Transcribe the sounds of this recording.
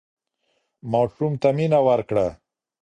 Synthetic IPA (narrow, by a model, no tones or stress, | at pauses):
mɑʂumt̪aminawaɾkɽa